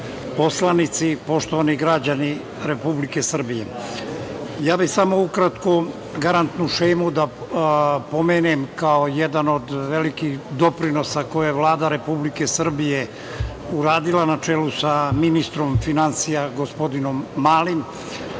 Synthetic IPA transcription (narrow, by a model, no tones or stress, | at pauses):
po̞slanit̪sipo̞ʃt̪oʋaniɡɾad͡ʑani | ɾe̞publike̞sr̩bije̞̰ | jaːbisamo̞ukɾat̪ko̞ | ɡaɾant̪nuʃejmud̪a | po̞meːnemkaojed̪ano̞d̪ʋelikid̪o̞pɾino̞sako̞jojeʋlˠaːd̪aɾe̞publike̞sr̩bije | uɾaːd̪ilanat͡ʃeːlusaminist̪ɾo̞mfinansijaɡo̞spo̞d̪ino̞mːaːlim